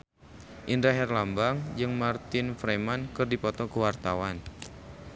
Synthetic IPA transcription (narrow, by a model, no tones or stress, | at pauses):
ʔindɾaɦɛrlambaŋd͡ʒɨŋmart̪ɪnfɾemankɨrdipɔt̪ɔkəwart̪awan